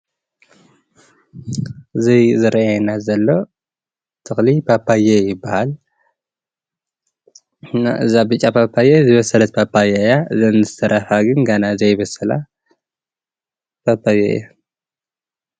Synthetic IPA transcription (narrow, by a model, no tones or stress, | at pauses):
ɨzizɨɾʔʔanazɐlːo̞ | t̪ʰɨxlipʰapʰːajejɪbːahal | naʔɨzabɨt͡ʃʼːapʰapʰːajezɨβɐsɐlɐt̪̚pʰapʰːajajaɨzɐnzɨsʰɐɾʔafaɡɨnɡanazejɪβɐsɐla | pʰapʰːajḛja